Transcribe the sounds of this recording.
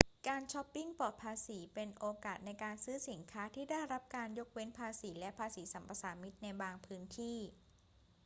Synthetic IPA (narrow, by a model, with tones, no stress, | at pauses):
kaː˧nt͡ɕʰɔ˦˥pːi˥˩ŋpɔː˨˩t̪̚pʰaː˧siː˩˦pe˧nʔoː˧kaː˨˩t̪̚na˧jkaː˧nsɯː˦˥si˩˦nkʰaː˦˥t̪ʰiː˥˩da˥˩jɾa˦˥p̚kaː˧njo˦˥k̚we˦˥npʰaː˧siː˩˦lɛ˦˥pʰaː˧siː˩˦sa˩˦mpa˧saː˩˦mi˦˥t̪̚na˧jbaː˧ŋpʰɯː˦˥nt̪ʰiː˥˩